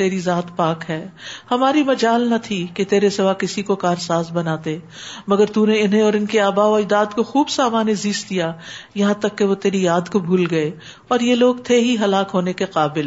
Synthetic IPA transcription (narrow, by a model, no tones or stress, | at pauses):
t̪eːɾizaːt̪paːkɦɛːhɐmaːɾimɐd͡ʒaːlnɐt̪ʰiket̪eːɾesɪʋaːkɪsikokaːɾsaːzbɐnaːt̪e | mɐɡəɾt̪uːneɪnɦẽɔːɾɪnkeaːbaːoɪd̪aːd̪koxuːbsaːmaːneziːsd̪ijajɐɦãt̪ɐkːeʋot̪eːɾijaːd̪kobʱuːlɡɐe | ɔːɾjeloːɡt̪ʰeɦiɦɐlaːkɦoːnekeqaːbɪl